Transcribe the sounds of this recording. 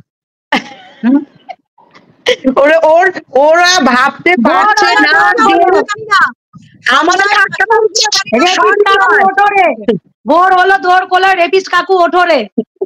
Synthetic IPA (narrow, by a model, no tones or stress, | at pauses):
oɾeʔoɾoɾabʱab̚t̪ebot͡ɕʰenaaiina | amad̪eakaaeɾepiskauoʈʰoɾe | boɦɾɦolod̪ʱoɾkolaɾepiskakuoʈʰoɾe